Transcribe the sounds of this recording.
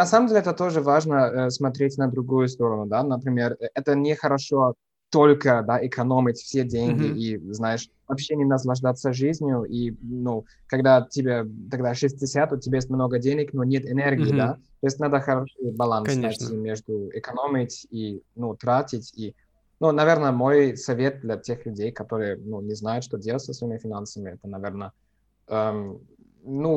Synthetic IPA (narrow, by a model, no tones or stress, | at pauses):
nɐsaməmdʲelʲɪɛt̪ət̪oʐɨvaʐnəsmɐt̪ɾʲetʲnəd̪ɾʊɡujʊst̪o̞ɾənʊd̪anəpɾʲɪmʲerɛt̪ənʲɪxəɾɐʂo | t̪olʲkəd̪aʔɪkʰɐnomʲɪtʲfsʲedʲeŋʲɡʲɪʔiznajɪʂ | vɐpɕːenʲɪnɐs̬lˠɐʐd̪at̪səʐɨzʲnʲjʊʔinu | kɐɡd̪atʲɪbʲet̪ɐɡd̪aʂɨsʲtʲɪsʲat̪ʊtʲːɪbʲajes̬ʲt̚ʲmnoɡədʲenʲɪknonʲet̪ɪnʲerɡʲɪːd̪at̪ojɪsʲtʲnad̪əxɐɾoʂɨbɐlˠansnɐjt̪ʲimʲeʐd̪ʊɪkɐnomʲɪtʲinut̪ɾatʲɪtʲi | nunɐvʲernəmo̞jsɐvʲet̪̚d̪lʲɐtʲexlʲʉdʲejkɐt̪oɾɨjənunʲɪznajʊt̪ʂt̪odʲelˠətʲsəsvɐimʲɪfʲɪnansəmʲɪɛt̪ənɐvʲernə | əm | nu